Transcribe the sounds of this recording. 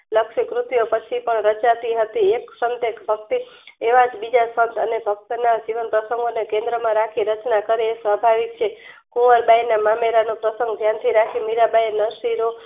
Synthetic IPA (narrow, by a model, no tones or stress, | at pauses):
ləkʃikɾʊt̪jopət͡ʃʰipəɳɾət͡ʃat̪iɦət̪ieksənt̪ekbʱək̚t̪ieʋad͡ʒbid͡ʒasənt̪ʰənebʱək̚t̪nad͡ʒiʋənpɾəsəŋɡonekẽnd̪ɾəmãɾakʰiɾət͡ʃnakəɾeːsʋabʱaʋik̚t͡ʃʰe | kuʋəɾbajnamameɾanopɾəsə̃ŋɡd̪ʱjant̪ʰiɾakʰimiɾabajenəʃiɾo